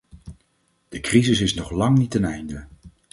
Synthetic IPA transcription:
d̥əkrizɪsɪsnɔχlɑŋnitɛnɛjndə

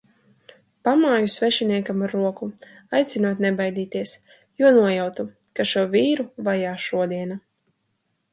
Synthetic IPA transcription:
pamaːjusvɛʃiniɛkamaɾːuɔku | ajt̪sinuɔt̪ʲnɛbajd̪iːt̪iɛs | juɔnuɔjawt̪u | kaʃuɔviːɾuvajaːʃuɔd̪iɛna

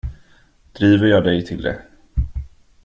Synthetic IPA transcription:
d̪̥ɾiːvəɾjɑːd̪ɛjt̪ʰɪld̪ɛ̰

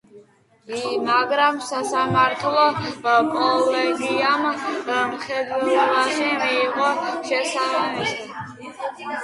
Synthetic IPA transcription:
maɡɾamsasamaɾt̪ʰlˠɔkʼɔlɛɡiammχɛd̪wɛbaʃimiːqʼɔʃɛsaamisa

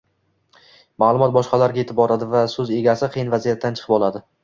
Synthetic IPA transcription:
maːlˠʊmɒt̪̚bɒʃqɑlaɾɡʲaje̞t̪ʰɪp̚bɒɾad̪ɪvasɵze̞ɡʲasɪqʰɨjɪnvazijat̪ʰːant͡ʃʰɨ̥qʰɨpɒlˠad̪ɪ

